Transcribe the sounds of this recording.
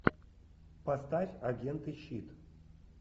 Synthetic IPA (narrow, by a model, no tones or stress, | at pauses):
past̪afʲaɡʲent̪ɨɕːit̪